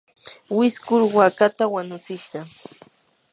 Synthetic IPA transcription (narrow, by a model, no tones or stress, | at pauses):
wɪskʊɾwakat̪awaɲʊt͡sɪʃɢɑ